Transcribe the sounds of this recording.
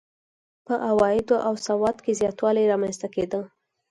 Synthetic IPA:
pəʔawɑjɪd̪oʔawsawɑd̪kezjɑt̪wɑlajɾɑmanst̪aked̪ə

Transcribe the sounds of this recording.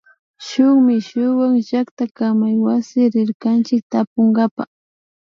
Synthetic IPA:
ʃʊŋmɪʃʊwaŋʒakt̪akamajwasɪɾɪɾkant͡ʃɪk̚t̪apoŋɡapa̰

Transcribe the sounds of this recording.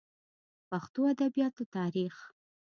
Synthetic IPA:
paxt̪oad̪abijɑt̪ot̪ɑɾix

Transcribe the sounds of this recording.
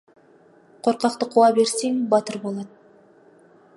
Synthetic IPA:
qʰo̞ɾqɑqt̪əqʰuɑbe̞ɾseŋbɑt̪əɾbo̞lˠɑt̪̚

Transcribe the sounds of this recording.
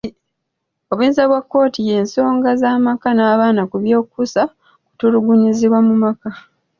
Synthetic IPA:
o̞βwiːnzaβwakːo̞ːtije̞ːnso̞ːŋɡazaːmakanaːβaːnakuβjo̞ːkusa | ku̥tuluɡuɲiziβwamumaka

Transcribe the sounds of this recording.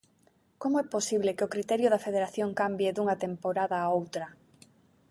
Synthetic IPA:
komʊɛposiβlekeokɾit̪ɛɾjʊðɐfeðeɾaθjoŋkambjeðuŋɐt̪empoɾaðɐːowt̪ɾɐ

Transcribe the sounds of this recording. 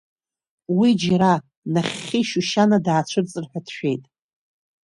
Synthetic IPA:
wid͡ʒaɾa | naχʲːiʃuʃanadaːt͡ɕʷʰɨrt͡sʼɨrħʷᶣadʰʃᶣe̞jtʼ

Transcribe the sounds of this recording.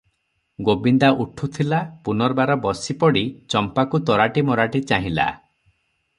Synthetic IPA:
ɡobind̪aʔuʈʰut̪ʰilapunɔɾbaɾɔbɔsipɔɽit͡ʃɔmpakut̪ɔɾaʈimɔɾaʈit͡ʃaɦĩla̰

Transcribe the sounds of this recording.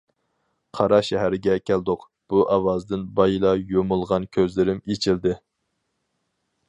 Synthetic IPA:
qʰɑɾɑʃɛɦæɾɪɡʲɛkʲʰæld̪ʊq | b̥uʔɑwɑzd̪ɪnbɑjilˠɑjomʊlˠʁɑnkʲʰøzlɪɾɪmet͡ʃʰild̪ɪ

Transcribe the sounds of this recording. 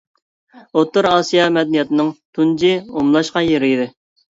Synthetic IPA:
ot̪ːʊɾɑsijɑmɛd̪ɛnijɛt̪ɨnɨŋt̪ʰund͡ʒiomlˠɑʃqɑjeɾɪid̪ɪ

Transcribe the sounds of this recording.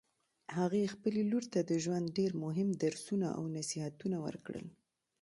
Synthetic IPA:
haɣexpəleluɾt̪ad̪əʒwand̪̚ɖeɾmʊɦɪmd̪aɾsunaʔa̰wnasihat̪unawə̰ɾkɽə̰l

